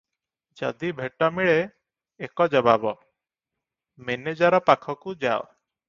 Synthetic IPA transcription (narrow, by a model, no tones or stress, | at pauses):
d͡ʒa̰d̪ibʱeʈɔmiɭeː | kɔd͡ʒɔbabɔ | mened͡ʒaɾɔpakʰɔkud͡ʒa̰o